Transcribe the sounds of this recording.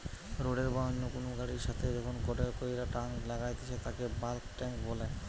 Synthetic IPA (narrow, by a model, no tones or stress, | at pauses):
ɾoɖeɾbɔɦonːokonoɡaɽiɾʃat̪ʰed͡ʑɔkʰonkɔʈeɾkojɾaʈaŋlaɡajt̪et͡ɕʰet̪akebalkʈɛŋkbɔla